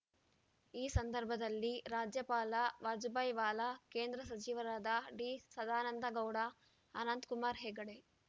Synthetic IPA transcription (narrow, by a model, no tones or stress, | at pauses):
iːsɐnd̪ɐɾbʱɐd̪ɐlːiɾaːd͡ʒjɐpaːlɐʋaːd͡ʒubajʋaːlɐkeːnd̪ɾɐsɐt͡ʃiʋɐɾaːd̪ɐɖisɐd̪aːnɐnd̪ɐɡɐwɽɐː | nɐnd̪kumaːɾɦeːɡɐɽe